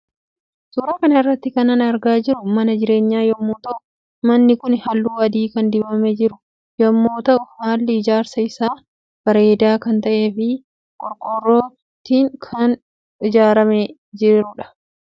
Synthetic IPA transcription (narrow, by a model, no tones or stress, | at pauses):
suːɾaːkɐnɐɪrːɐt̪ːɪkɐnɐnɐɾɡaːd͡ʒɪɾʊmɐnɐd͡ʒɪɾe̞ːɲːaːjɐmːuːt̪ɐʔʊ | mɐnːɪkʊnhɐlːuːɐd̪iːkɐnd̪ɪbɐmɛd͡ʒɪɾʊ | jɐmːoːt̪ɐʔʊhaːlːɪɪd͡ʒaːɾsɐɪsaː | b̥ɐɾeːd̪aːkɐnt̪ɐʔe̞ːfɪ | kʼɔɾkʼɔrːoː | t̪iːŋkʰɐn | ɪd͡ʒaːɾɐmɛ | d͡ʒɪɾʊᶑɐ̥